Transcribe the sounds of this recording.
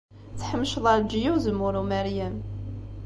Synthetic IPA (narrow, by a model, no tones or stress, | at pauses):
t͡sːħəmːʃðˤɑɾd͡ʒijuwzəmːʊɾumæɾjæm